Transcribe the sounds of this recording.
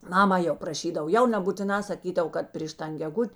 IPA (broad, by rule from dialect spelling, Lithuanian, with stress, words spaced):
ˈmɑːmɐ jɛʊ prɐˈʃʲiːdɐw ˈjɛʊ nʲɛbuːtʲɪˈnɑː sɐˈkʲiːdɐw ˈkɐt pʲrʲiːʃ ˈtɐn ɡʲɛˈɡʊtʲ